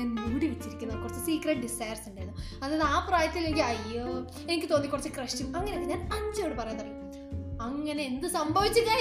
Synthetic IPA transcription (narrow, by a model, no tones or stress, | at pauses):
aːnmuːɽiʋet͡ɕːiɾikʲːunːɐkːurɐt͡ɕːɨsiːkreʈ̚ɖisɐjɐrsuɳɖaːjɾunːuɐðaːjðaːpraːjɐt̪ːile̞ŋɡilɐjo | enikʲːɨt̪oːnːikːurɐt͡ɕːɨkrɐʂt͡ɕumɐŋːɐneokːɨɲːaːnɐɲd͡ʑjoːɽɨpɐrɐjant̪ɐrɐjm | ɐŋːɐne̞end̪ɨsɐmbʱɐʋit͡ɕːɨkːa